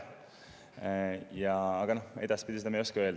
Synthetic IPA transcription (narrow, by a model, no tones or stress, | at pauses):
jɑːɡ̥ɑno̞he̞d̪̥ɑspid̪ʲiseɑmejo̞skeøl